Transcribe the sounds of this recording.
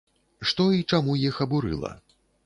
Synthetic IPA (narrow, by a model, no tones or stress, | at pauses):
ʂt̪ɔit͡ʂamujixɐbuɾɨ̰lˠɐ̰